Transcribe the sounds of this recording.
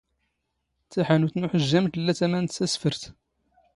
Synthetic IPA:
t̪æħanut̪nuħəʒːæmt̪lːæt̪æmænt̪sæsfəɾt̪

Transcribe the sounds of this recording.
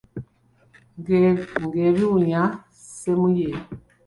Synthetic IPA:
ŋɡebiuɲa | semuje

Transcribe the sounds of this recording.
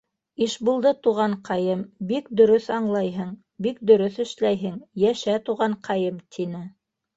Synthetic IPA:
iʃbulˠd̪ɤt̪uʁɑɴqɑjɤmbikd̪ɵ̆ɾɵθɑɴlˠɑjɦɤɴ | bik̚d̪ɵ̆ɾɵθɘ̆ʃlæjɦɘŋjæʃæt̪uʁɑɴqʰɑjɤmt̪ʰinɘ

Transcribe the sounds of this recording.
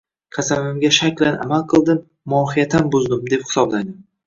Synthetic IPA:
kʰɑsamɪmɡʲaʃakʲblanʔa̰malˠqʰɨlˠd̪ɪmː | ɒhɪjat̪ʰanbʊzd̪ɪmd̪e̞phɪ̥sɒblajd̪ɪm

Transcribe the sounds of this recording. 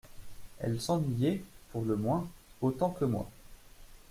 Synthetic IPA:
ɛ̰lsɑ̃nijɛpuʁləmwɛ̃ot̪ɑ̃kəmwa̰

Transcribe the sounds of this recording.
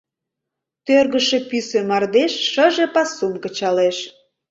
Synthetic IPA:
t̪ørɣəʃe̽pysemɑrd̪eʃːəʒe̽pɑsumkət͡ɕɑleʃ

